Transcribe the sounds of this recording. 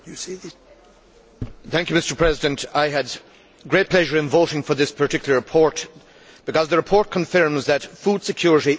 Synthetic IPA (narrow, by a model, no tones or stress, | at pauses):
θæ̃ŋkjʉmɪstə˞pʰɹ̥ɛzɪdɨ̃ntaɪɨd̚ | ɡɹeɪt̚pʰl̥ɛʒə˞ɨ̃nvoʊɾɪ̃ŋfə˞ðɪspʰə˞tʰɪkjl̩ˠəɹɨpʰɔɹt | b̥ɨkʌzðəɹɨpʰɔɹt̚kʰə̃ɱfɜ̃˞mzðɨtfud̥sɨkʰj̥ʊɹɪɾi